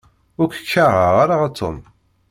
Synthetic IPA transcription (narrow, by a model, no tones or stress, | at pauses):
ʊɾkʷə̥kːaʁəʁaɾaʁat̪ʰːo̰m